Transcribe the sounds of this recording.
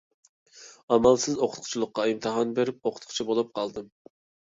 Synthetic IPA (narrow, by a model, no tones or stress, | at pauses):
ɑmɑlˠsɪzoqʰʊt̪qʰʊ̥t͡ʃʰilˠəqːɑimt̪ʰɨɦɑnbeɾɪp̚oqʰʊ̥t̪̚qʰʊ̥t͡ʃʰɛbolˠup̚qʰɑlˠd̪ɨm